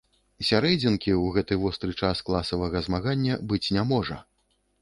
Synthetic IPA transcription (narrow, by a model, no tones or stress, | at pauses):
sʲaɾɛd͡zʲinkʲiwɣɛt̪ɨvɔst̪ɾɨt͡ʂasklˠasɐvɐɣɐzmaɣanʲːɐbɨt͡sʲnʲamɔʐɐ